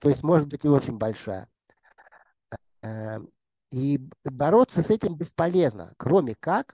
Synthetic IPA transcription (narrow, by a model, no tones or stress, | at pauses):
t̪o̞ɪsʲtʲmo̞ʐɨt̪̚bɨtʲnʲɪo̞t͡ɕɪnʲbɐlʲʂa̰jə̰ | ibɐɾo̞t̪səsɛtʲɪmbʲɪspɐlʲe̞znə̰kɾo̞mʲɪkak